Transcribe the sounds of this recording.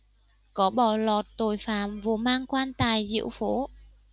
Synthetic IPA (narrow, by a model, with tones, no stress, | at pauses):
kɔ˨˦ɓɔ˧˩lɔ˨˩t̚t̪o˨˩jfaː˨˩mvu˨˩maː˧ŋkwaː˧nt̪aː˨˩jzḭ˧əwfo˨˦